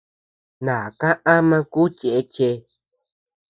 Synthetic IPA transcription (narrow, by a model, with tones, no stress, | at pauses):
nãː˨kã˦ʔa˦mã˧ku˦t͡ʃe˨e˦t͡ʃe˧